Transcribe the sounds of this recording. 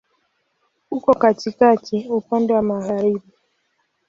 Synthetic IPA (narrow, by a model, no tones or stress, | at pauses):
ukɔkatikatiopandewamaɣaɾibi